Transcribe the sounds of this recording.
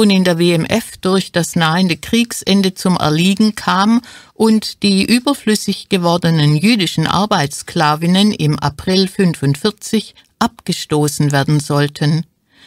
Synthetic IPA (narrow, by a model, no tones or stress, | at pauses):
uːnɪndeːɐveːɛmʔɛfd̥ʊɐçd̥asnaːəndəkʁ̥iːksʔɛndət͡sʊmʔɛ̰ɐliːɡŋ̩kʰaːmʔʊntd̥iːʔyːbɐflʏsɪçɡ̥əvɔɐdənənjyːdɪʃn̩ʔa̰ɐbaɪt͡ssklaːvɪnənɪ̰mʔa̰pʁ̥ɪlfʏnfʊntfɪɐt͡sɪç | ʔapɡ̥əʃtoːsn̩veːɐdn̩zɔltʰən